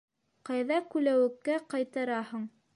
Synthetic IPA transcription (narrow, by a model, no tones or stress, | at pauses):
qɑjðɑkʉlæwɘ̆kːæqɑjt̪ɑɾɑhɤɴ